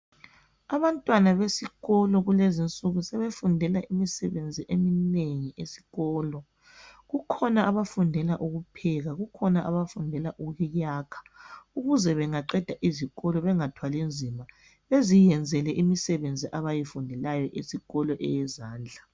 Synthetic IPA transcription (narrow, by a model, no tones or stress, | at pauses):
aβantʼwanaβesiɣɔlɔɣulezint͡sʼuɣusɛβefundʱɛlaʔimisɛβend͡zʱiʔemineŋiʔesi̥ɣɔːlɔ | ɣukʰɔnaʔaβafundʱɛlaʔuɣupʰɛɣaɣukʰɔnaʔaβafundʱɛlaʔuɣujaːkʰḁuɣuzɛβɛŋaǃɛd̥ʱaʔiziɣɔlɔβɛŋatʰwalind͡zʱima | βezijɛnd͡zʱɛlɛʔimisɛβend͡zʱiʔaβajifundʱɛlajɔʔisiɣɔlɔʔɛjɛzaːnd͡ɮʱa